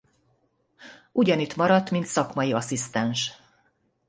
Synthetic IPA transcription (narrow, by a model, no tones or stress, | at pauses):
ʔuɟɒnit̪mɒɾɒt̪ːmint̪sɒkmɒjiɒsist̪ɛnʃ